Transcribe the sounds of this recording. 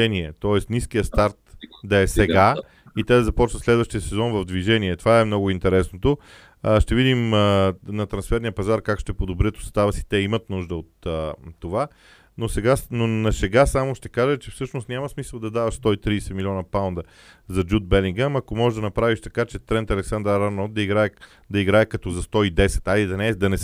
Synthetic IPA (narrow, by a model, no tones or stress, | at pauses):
ɛniɛt̪ɔɛst̪niskijəst̪aɾt̪d̪ɐɛsɛɡa | it̪ɛd̪ɐzɐpɔt͡ʃnət̪slɛd̪vəʃt̪ijəsɛzɔnvɐvd̪viʒɛniɛt̪ovaɛmnɔɡʊint̪ɛɾɛsnot̪o | ʃt̪ɛvid̪imnɐt̪ɾɐnsfɛɾnijəpɐzaɾkakʃt̪ɛpod̪obɾiət̪o̥st̪avəsi̥t̪ɛimət̪nuʒd̪əot̪əːova | nosɛɡanonɐsɛɡasamoʃt̪ɛkaʒət͡ʃɛfsɤʃnost̪nʲamɐsmisəlˠd̪ɐd̪avɐʃst̪ɔit̪ɾiːsɛmilʲiɔnɐpawnd̪ə | zɐd͡ʒud̪̚bɛlʲiŋɡamɐkomɔʒɛʒd̪ɐnɐpɾaviʃt̪ɐkat͡ʃɛt̪ɾɛnt̪ɐlɛksand̪əɾanod̪ɐiɡɾaɛ | d̪ɐiɡɾaɛkɐt̪ɔzɐst̪ɔid̪ɛsɛ̥t̪alid̪ɐnɛd̪ɐnɛ